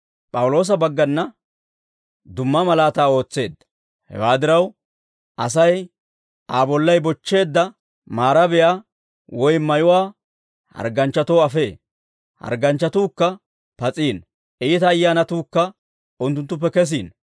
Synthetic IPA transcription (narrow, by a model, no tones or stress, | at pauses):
pʼɐwʊlo̞ːs̬ɐbɐɡːɐnːɐ | d̪ʊmːɐmɐlaːt̪aːo̞ːt͡sːe̞ːd̪ːɐ̥ | hɛ̰waːd̪ɪɾɐw | ʔɐsɐj | aːbɔlːɐjbɔt͡ʃːe̞ːd̪ːɐ | maːɾɐbɛja | wɔjmɐjʊwaː | hɐ̰ɾɡɐnt͡ʃːɐt̪oːɐfe̞ː | hɐ̰ɾɡɐnt͡ʃːɐt̪uːkːɐ | pɐt͡sʼiːn | ʔiːt̪ɐːjːaːnɐt̪uːkːɐ | ʊnt̪̬ːʊnt̪ːʊp̬ːɛkɛs̬ḭːn